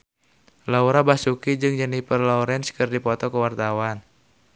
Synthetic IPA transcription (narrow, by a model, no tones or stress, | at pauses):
lauɾabasukid͡ʒɨŋd͡ʒənipərlɔuɾɛnskɨrdipɔt̪ɔkəwart̪awan